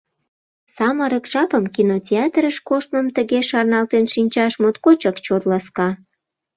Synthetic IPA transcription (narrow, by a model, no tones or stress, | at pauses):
sɑməɾəkʒɑpəmkinotʲeɑt̪ɾəʃkoʃt̪̚məmt̪əɣeʃɑrnɑlt̪enʃinʲt͡ɕɑʃmot̪kot͡ɕəkt͡ɕot̪lɑskɑ